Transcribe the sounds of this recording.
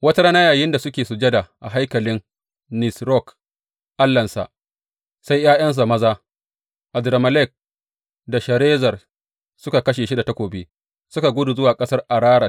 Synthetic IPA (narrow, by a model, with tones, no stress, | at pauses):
wɐ˦ta˦ɽaː˦na˦jaː˨jɪ˦nda˨sʊ˦kʲeː˨su˨d͡ʒɐ˦da˨ʔa̰˨ɦa˦jkɐ˨lɪ˦n | nɪ˨sɾɔ˦k | ʔa˦lːɐ˨nsa̰˨ʔ | sa˦jjaː˦jɐ˦ns̬a˨mɐ˦zaː˦ | ʔa˨dɾa˨mɐ˨lɛ˦˨k̚ | da˨ʃɐ˨ɾeː˦zɐ˨r | sʊ˦ka˨kɐ˦ʃeː˨ʃi˦da˨tɐ˦kʷoː˨biː˦ | sʊ˦ka˨ɡʷʊ˦du˨zʊ˦waː˨kʼɐ˦sɐ˦rʔa˨ɾaː˦ɽa˨